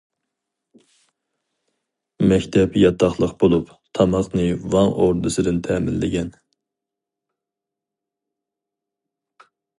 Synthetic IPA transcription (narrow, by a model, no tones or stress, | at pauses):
mɛkʲt̪ʰɛpjɑt̪ʰɑχlˠəqbolˠup | t̪ʰɑmɑqnɨwɑŋʔoɾd̪ɨsɨd̪ɪnt̪ʰɛːmɪnlɪɡʲɛn